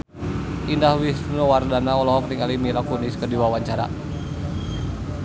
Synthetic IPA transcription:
indahwisnɔwardanaɔlɔɦɔk̚niŋalimilakuniskədiwawaɲt͡ʃaɾa̰

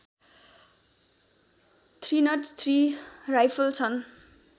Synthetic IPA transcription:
t̪ʰrinʌʈt̪ʰrirajpʰʌlt͡sʰʌn

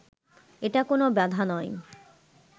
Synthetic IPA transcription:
eʈakonobɛd̪ʱanɔe

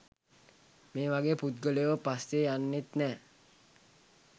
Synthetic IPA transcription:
meːʋaɡeːput̪̚ɡəleʋəpast̪eanːet̪nɛː

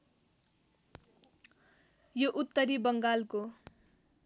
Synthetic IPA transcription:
joʔut̪ːʌɾibʌŋɡalko

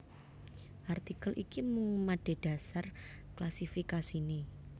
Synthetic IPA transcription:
ʔart̪ikəlʔikimuŋmaɖ̥e̤ɖ̥a̤sar | klasifikasini

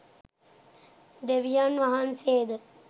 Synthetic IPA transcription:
d̪eʋijanʋaɦanseːd̪ə

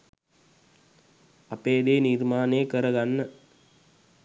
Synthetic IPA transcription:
ɐpːeːðeːniɾmaːneːkɐɾɐɣɐnːɐ

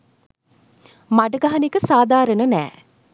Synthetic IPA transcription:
maɖəɡaɦanekəsaːd̪aːɾənənɛ̰ː

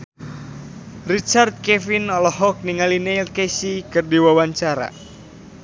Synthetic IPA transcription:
rit͡ʃart̪̚kefinɔlɔɦɔk̚niŋalinejlkesikɨrdiwawaɲt͡ʃaɾa̰

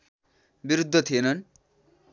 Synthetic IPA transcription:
biɾud̪ʱːʌt̪ʰienʌn

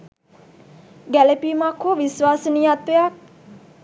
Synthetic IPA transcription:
ɡælepimakʰːoʋisʋaːsənijat̪ʋejak̚

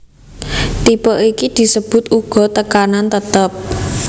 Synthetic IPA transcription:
t̪ipɔʔikid̪̥i̤səb̥ʊ̤t̪uɡ̥ɔ̤t̪əkanant̪ət̪əp̚

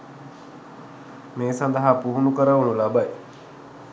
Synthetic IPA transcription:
meːsand̪əɦapuɦunukəɾəʋunulabaj

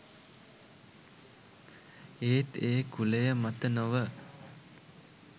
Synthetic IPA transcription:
eːt̪eːkulejəmat̪ənoʋə

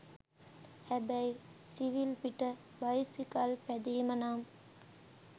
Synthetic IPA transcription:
hæbæjsiʋilpiʈə | bɐjsikɐlpæd̪eːmənaːm

